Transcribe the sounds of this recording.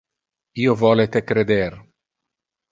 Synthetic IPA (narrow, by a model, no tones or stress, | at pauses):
iːovɔːlet̪ekɾed̪er